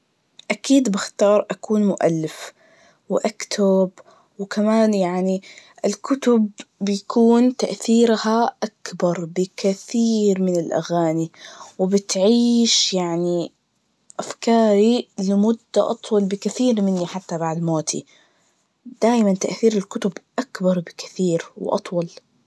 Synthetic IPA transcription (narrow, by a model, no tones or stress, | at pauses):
ʔakiːd̪bɪxt̪ɑːɾˤʔakuːnmʊʔa̰lːɪf | wʔakt̪ʰab | wɪkamaːnjaʕniʔɪlkʊt̪ʊbːɪjakuːnt̪aʔθiːɾhaʔakbɑɾˤbɪkaθiːɾmɪnɪlʔa̰ɣaːniwɪbɪt̪ʕiːʃjaʕni | ʔafkɑːɾilɪmʊd̪ːaʔɑt̪ˤwɑlbɪkɪθiːɾmɪnːiħat̪ːabaʕd̪moːt̪ʰḭ | d̪̥aːjmant̪aʔθiːɾɪlkʊt̪ʊbʔakbɑɾˤbɪkɪ̥θiːɾw̰ʔɑ̰t̪ˤwɑl